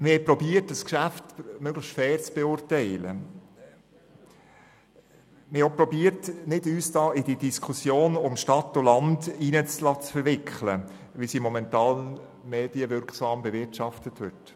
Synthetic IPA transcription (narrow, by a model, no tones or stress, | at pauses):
mɪɾhɛɪpɾɔbiətəskʃæftmøɡləʃtfɛːɾt͡sb̥eʊːrtɛɪlə̰ | mɪopɾɔbiːəɾtnɪdyːsd̥ɑːɪdidiskʰusjoːnʊmʃtɑtːʊlɑndiːnət͡slɑt͡sfəɾvɪkχlə | ʋisimɔmɛntɑːl | meːd̥iəvʏɾksɑːmbɛvɪtʃɑftətʋʏt